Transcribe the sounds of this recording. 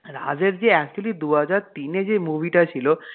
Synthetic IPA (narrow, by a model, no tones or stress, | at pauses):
ɾad͡ʑeɾd͡ʑeɛkt͡ɕuəlid̪uɦad͡ʑaɾt̪ined͡ʑemubʱiʈat͡ɕʰilo